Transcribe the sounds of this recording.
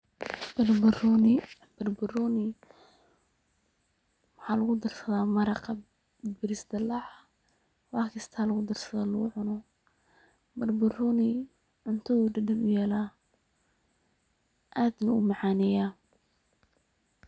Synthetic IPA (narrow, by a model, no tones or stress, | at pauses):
b̥ɐrbʊrnɪ | b̥ɐrbʊrɔːnɪ | wɑħɑːlɐɣʊd̪ɐrsɐðaːmɐɾɑqɑ | bɪɾɪsd̪ɐlɑʕ | wɑːkʰɪst̪ʰaːlɐɣʊd̪ɐrsɐðaːlʊɣʊʕʊnɔ | bɐrbʊrɔːnɪ | ʕʊnt̪ʰɐðuːɖɐɖɐnʊjɛːlaː | ʔaːd̪nɐʊ̰mɑʕɑːnɛjaː